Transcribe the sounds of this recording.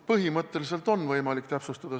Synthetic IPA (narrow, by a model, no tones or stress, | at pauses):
pɤɦimɤt̪ːˑe̞lis̬e̞lt̪ˑo̞nːvɤjmɑlikt̪æpsust̪ɑd̪̥ɑ